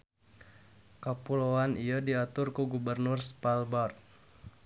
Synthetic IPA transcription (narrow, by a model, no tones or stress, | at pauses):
kapuloanijadiat̪ʊrkuɡubərnʊrspalbar